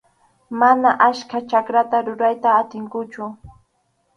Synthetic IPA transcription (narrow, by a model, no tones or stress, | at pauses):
manaʔaskat͡ʃakɾat̪aɾʊɾajt̪aːt̪ɪŋkʊt͡ʃʊ